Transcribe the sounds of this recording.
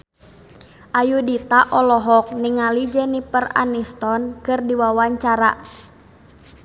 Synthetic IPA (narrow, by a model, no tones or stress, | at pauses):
ʔajudit̪aʔɔlɔɦɔk̚niŋalid͡ʒɛnipəra̰nist̪ɔnkɨrdiwawaɲt͡ʃaɾa̰